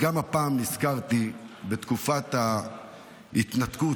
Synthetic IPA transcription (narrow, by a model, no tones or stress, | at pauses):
ɡamapaːmniskaʁt̪ibe̞t̪kufat̪ha | it̪nat̪ku